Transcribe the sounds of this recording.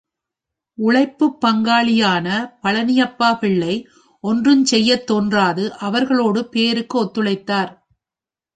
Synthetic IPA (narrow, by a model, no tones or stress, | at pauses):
ʊɭɐɪpːɯpːɐŋɡaːɭɪjaːnɐpɐɭɐnɪjɐpːaːpɪɭːɐɪ | ʔɔndrɯmsɛjːɐt̪ːoːndraːðɯʔɐʋɐɾɣɐɭoːɽɯpeːɾɯkːɯɔt̪ːɯɭɐɪt̪ːaːɾ